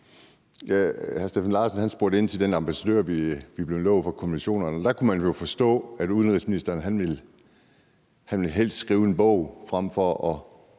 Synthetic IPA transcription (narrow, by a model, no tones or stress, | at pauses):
jæhæɐsd̥efænlɑ̈ːsənhænsb̥o̝ɐɾ̥e̝n̰t͡sʰe̝ld̥enɑ̈mb̥æsæd̥øɐ̰ʋiʋib̥le̝ʊlɔʊ̰fɑ̈kʰo̝miɕo̝̰ːnɐnɒd̥ɑ̈kʰumænjo̝fɒ̽sd̥ɔ̰̽ːæd̥uðˠənʁisminisd̥ɐːnɦænʋel | hænʋe̝lɦel̰sd̥sɡ̥ʁiːʊe̝nb̥ɔʊ̰fʁam̰fɒʔɒ̽